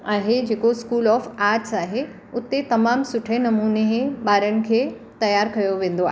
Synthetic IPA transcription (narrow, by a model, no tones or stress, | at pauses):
aːɦed͡ʑeːkoɪskuːlɔːfaːɾʈsaːɦe | ʊt̪et̪ɐmaːmsʊʈʰenɐmuːneɦɓaːɾəɽ̃ɪ̆kʰeː | t̪ɐjaːɾkɐjoʋẽːnd̪oa̰ː